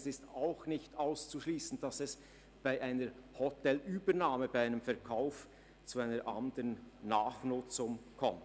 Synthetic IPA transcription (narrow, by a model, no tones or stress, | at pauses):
sɪstaʊxnɪçtaʊst͡suʃliːsən̩d̥ɑsɛs | b̥aɪʔaɪnəɾhɔtɛlyːbənaːməbaɪaɪnəmfɛɐkʰaʊf | t͡suaɪnəʔɑ̰ndəɾənːaːχnʊt͡sʊŋkʰɔmt